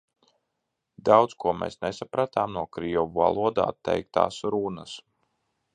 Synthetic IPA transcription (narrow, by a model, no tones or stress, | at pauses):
d̪awt̪skuɔmḛːsnesapɾat̪aːmnuɔkɾijɔvuva̰lˠuɔd̪a̰ːt̪ːɛ̰jk̚t̪a̰ːsɾunəs